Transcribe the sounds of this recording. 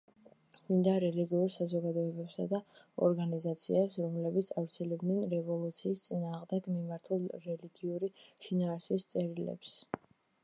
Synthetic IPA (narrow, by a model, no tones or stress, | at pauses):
ind̪aɾɛliɡiuɾsazɔɡad̪ɔɛbɛpsad̪aɔ̰ɾɡanizat̪sʰiɛpsɾɔmlɛbit̪sʰavɾt̪sʰɛlɛbd̪nɛnɾɛvɔlˠut̪sʰiːst̪sʼinaːʁmd̪ɛɡmimaɾt̪ʰulˠɾɛliɡiuɾiʃinaːɾsist̪sʼɛɾilɛ̰ps